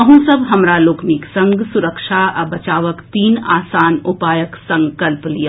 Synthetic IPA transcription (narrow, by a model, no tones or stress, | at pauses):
ɐɦũsɐbɦɐmɾaloːkniksɐ̃ŋɡsʊɾəkʃaɐbɐt͡ʃaːʋəkt̪iːnaːsaːnʊpaːjəksɐ̃ŋkəlplija